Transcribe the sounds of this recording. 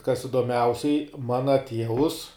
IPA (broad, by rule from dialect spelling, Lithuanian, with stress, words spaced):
kɐs ɪdoːˈmʲɛʊsʲɛɪ ˈmɑːnɐ ˈtʲiɛʋʊs